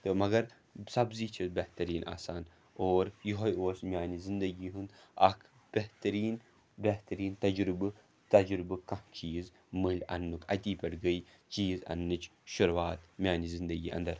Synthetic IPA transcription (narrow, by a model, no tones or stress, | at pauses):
t̪ɨmɐɡɐɾ | sɐbziːt͡ʃʰibeht̪ɐɾiːnʔa̰ːsaːn | oːɾjuɦɐjoːsmʲjaːnizind̪ɐɡiːɦund̪ɐ̰kʰ | b̥eht̪ɐɾiːn | beht̪ɐɾiːnt̪ɐd͡ʒɾubɨ | t̪ɐd͡ʒɾɨbɨkɐht͡ʃiːz | mɨlʲɐ̰nːukʰɐ̰t̪ʲiːpʲɐɽɡəj | t͡ʃiːzɐ̰nːɨt͡ʃʰʃuɾwaːt̪mʲjaːnizind̪ɐɡiːʔɐ̰nd̪ɐɾ